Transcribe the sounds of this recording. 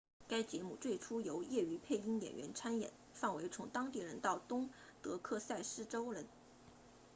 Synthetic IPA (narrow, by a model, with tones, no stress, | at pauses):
ka˥ɪt͡ɕjɛ˧˥mu˥˩t͡swe˥˩ɪʈ͡ʂʰu˥jo˧˥ʊjɛ˥˩y˧˥pʰe˥˩ɪi˥ŋjɛ̰˨˩nɥɛ̰˧˥nʈ͡ʂʰa˥njɛ̰˨˩˦n | fɑ˥˩ŋwe˧˥ɪt͡sʰʊ˧˥ŋt̪ɑ˥ŋt̪i˥˩ɻə˧˥nt̪ɑ˥˩ʊt̪ʊ˥ŋt̪ɤ˧˥kʰɤ˥˧sa˥˧ɪʂɻ̩˥˩ʈ͡ʂo˥ʊɻə˧˥n